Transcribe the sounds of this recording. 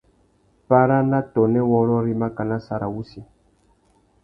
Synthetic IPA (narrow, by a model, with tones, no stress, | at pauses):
pa˦ɾa˦na˦tɔ˨nɛ˦wɔ˦lɔ˦ɾi˦ma˦ka˨na˦sa˨ɾa̰˨wu˦si˨